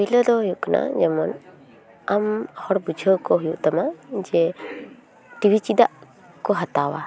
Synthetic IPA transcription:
iləd̪ɔɦujuʔkana̰d͡ʒɛmɔn | amhɔɽbud͡ʒʱəkɔɦujuʔt̪amad͡ʒɛ | ʈibʱit͡ʃid̪aʔ | kɔɦat̪awa̰

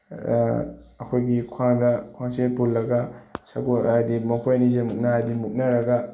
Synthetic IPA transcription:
ɐkʰojɡikʰaŋdɐkʰaŋsepulːɐɡɐsɐkoajdimɐpʰojnizemuk̚naɦajdimuk̚nɐɾɐɡɐ

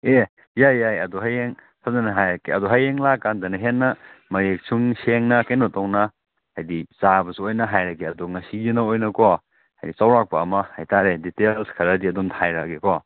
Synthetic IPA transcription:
e | jajajɐduɦajeŋ | sʰazɐnɐɦajɾɐkiɐduɦajeŋlakːandɐnɐɦenːɐmɐɾek̚sʰuŋseŋnɐkɐjnotɔwnɐ | hajdizabɐsuojnɐɦajɾɐkiɐdoŋɐsijinɐojnɐkɔ | hajdit͡ʃawɾak̚pɐɐmɐhajtaɾeditelskʰɐɾɐdiɐdumtʰajɾa̰kekɔ

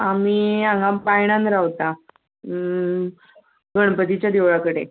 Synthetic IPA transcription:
amiːaŋɡapaiɽ̃ãnɾaʋt̪a | ɡəɳ̃pət̪it͡ɕjad̪iʋɭakəɽe

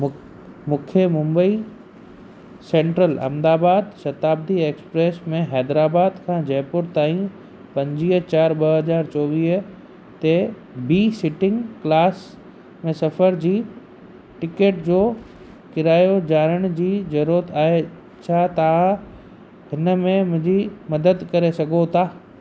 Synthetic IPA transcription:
mʊkʰjəmʊ̃mbəi | sẽːɳʈɾəlɐ̰̃md̪aːbaːd̪ʃɐt̪aːb̚d̪ieːkspɾeːsmẽɦɛːd̪ɾaːbaːd̪kʰãːd͡ʑɐɦpʊɾt̪aːĩ | pɐ̃ɲd͡ʑiːɦt͡ɕaːɾɓɐɦɐzaːɾt͡ɕɔːʋiːɦ | t̪e | biːsɪʈɪ̃ŋɡklaːs | mẽsɐfəɾd͡ʑiː | ʈɪkeːʈd͡ʑoː | kɪɾaːjod͡ʑaːɾəɽ̃d͡ʑiːd͡ʑɐɾuɾət̪aːɦe | t͡ɕʰaːt̪ɐʋã | ɦɪnəmẽmʊ̃ɦɲd͡ʑimɐd̪əd̪kɐɾesɐɡʱot̪ʰaː

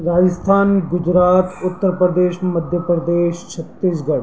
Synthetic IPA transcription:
ɾaːd͡ʒəst̪ʰaːnɡʊd͡ʒɾaːt̪ʊt̪ːəɾpɾəd̪eːʃməd̪ʱjəpɾəd̪eːʃt͡ʃʰət̪ːiːs̬ɡɐɽ

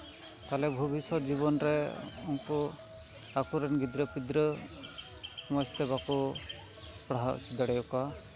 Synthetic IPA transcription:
t̪alɛbʱɔbisɔt̪d͡ʒiβɔnɾɛunkɔ | akuɾɛnɡid̪ɾəpid̪ɾə | mɔst̪ɛβakɔ | pɽaɦaʔt͡ʃʰid̪aɽɛjɔka

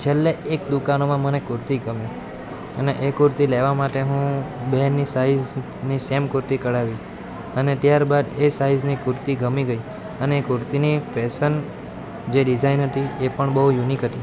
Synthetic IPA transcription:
t͡ʃʰelːeekd̪ukanomãmənekʊɾt̪iɡəmi | əneʔekʊɾt̪ileʋamaʈeɦũbɛɦɾnisaiz | nisemkʊɾt̪ikəɽaʋi | ənet̪jaɾbad̪esaiznikʊɾt̪iɡəmiɡəi | əneːkʊɾt̪inipɛsən | d͡ʒeɖid͡ʒainɦət̪iepəɳbəɦujunikɦət̪i

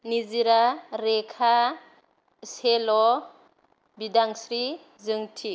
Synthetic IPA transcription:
niziɾaɾekʰa | selɔ | bidaŋsɾi | zɯŋtʰi

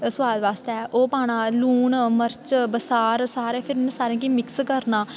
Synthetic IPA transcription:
sʊʋaːd̪ʋaːst̪ɛːʔoːpaːɽ̃ãːluːnməɾt͡ʃbəsaːɾsaːɾẽːpʰɪɾẽsaːɾẽːkiːmɪkskəɾnaː

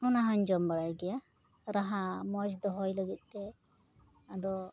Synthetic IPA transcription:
hunaɦɔɲd͡ʒɔmbaɽajɡɛja | ɾaɦamɔd͡ʒd̪ɔɦɔjləɡit̪̚ˀt̪ːɛ | ad̪ɔ

